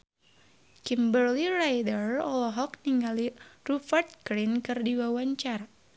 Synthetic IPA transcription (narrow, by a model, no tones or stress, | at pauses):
kimbərlirajdərɔlɔɦɔkniŋalirufərt̪̚kɾinkɨrdiwawaɲt͡ʃar